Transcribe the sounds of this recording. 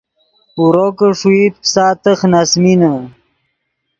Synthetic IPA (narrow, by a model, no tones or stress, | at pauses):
uɾokəʂuit̪̚psaːt̪əxnasminə